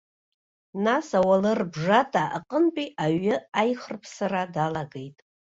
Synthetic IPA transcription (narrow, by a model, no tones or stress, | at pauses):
nasawalɨrbʐatʼaʔa̰qʼənpʼiʔaɥɪajχərpʰsaradalaɡe̞jtʼ